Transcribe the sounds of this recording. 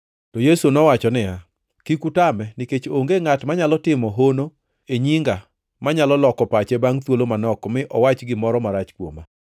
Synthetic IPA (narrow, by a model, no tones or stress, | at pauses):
tɔjesunɔwat͡ʃɔnɪja | kikutamɛnɪket͡ʃoŋɡeŋatmaɲalɔtɪmɔɦono | eɲiŋɡa | maɲalɔlɔkɔpat͡ʃebaŋt̪wolomanɔkmɪʔɔwat͡ʃɡɪmɔɾɔmaɾat͡ʃkwoma